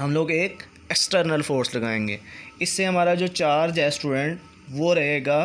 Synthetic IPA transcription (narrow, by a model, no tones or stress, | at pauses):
ɦɐmloːɡeːk | eksʈəɾnəlfoːɾslɐɡaːẽːŋɡḛːɪsːeɦɐmaːɾad͡ʒoːt͡ʃaːɾd͡ʒɛːsʈuːɖɛ̃ɳʈ | ʋoɾɐɦeːɡaː